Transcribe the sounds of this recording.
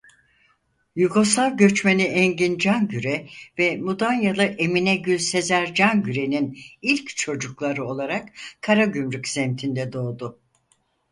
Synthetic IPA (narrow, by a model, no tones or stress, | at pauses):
juɡosalˠɟø̞t͡ʃmeniɛɲɟind͡ʒanɟyɾɛvɛmud̪anjalˠɯʔe̞minɛɟylʲse̞zæɾd͡ʒanɟyɾe̞ninilʲct͡ʃʰo̞d͡ʒuklˠaɾɯo̞lˠaɾakkʰːaɾaɟymɾycz̥ɛmt̪ʰind̪ɛd̪o̞ːd̪ʊ